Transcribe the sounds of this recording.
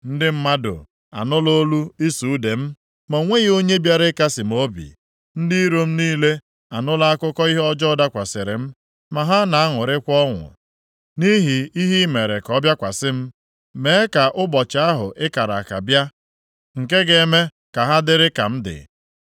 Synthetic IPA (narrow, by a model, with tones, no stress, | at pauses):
n̩˦dɪ˦m̩˦ma˦dʊ̰˨ | a̰˨nʊ˦lo˦lu˦i˦su˨u˦de˨m̩˦ | mo˨ŋʷe˦ɣo˦ɲe˦bja˦ɾɪ˦ka˦sɪ˨m˨o˦bḭ˨ | n̩˦di˦ɾo˦m̩˦niː˦le˦ | a˨nʊ˦la˦a˦kʊ˦kɔ˦i˦ɦɔ˦d͡ʒɔ˦ɔ˦da˦kʷa˨sɪ˨ɾɪ̰˨m̩˦ | ma˨ɦa˦na˨a˦ŋʊ˨ɾɪ˦kʷɔ˦ŋʷʊ̰˨ | ni˦ɦi˨i˦ɦi˦me˨ɾe˨kɔ˦bja˦kʷa˨sɪ˦m̩˦ | me˨˦ka˨ʔʊ˦bɔ˨t͡ʃa˦ɦʊ̰˨ʔɪ˦ka˨ɾa̰˨ka̰˨bja˦ | ŋ̩˨ke˦ɡe˨me˦ | ka˨ɦa˦dɪ˦ɾɪ˦ka̰˨m̩˦dɪ̰˨